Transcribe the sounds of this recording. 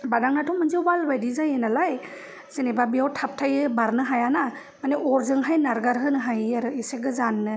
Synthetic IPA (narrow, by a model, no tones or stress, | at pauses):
badaŋnatʰɔmɯnziwbalbajdizajenalaj | sɯnebabiawtʰap̚tʰajɯbaɾnɯɦajana | maneʔɔɾzɯŋɦajnaɾɡaɾɦɯnɯɦajaɾɯiseɡɯzanːɯ